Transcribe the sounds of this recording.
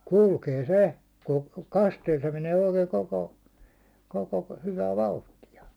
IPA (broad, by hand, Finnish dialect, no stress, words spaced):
kulkeː se ku kɑsteːl se meneː oikeː koko koko hyʋæ ʋɑuhtijɑ